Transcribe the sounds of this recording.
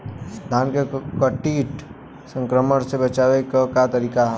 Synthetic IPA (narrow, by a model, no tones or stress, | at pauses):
d̪ʱaːnkekəʈiːʈ | sə̃ŋkɾəməɽsebət͡ʃaːʋekakat̪əɾiːka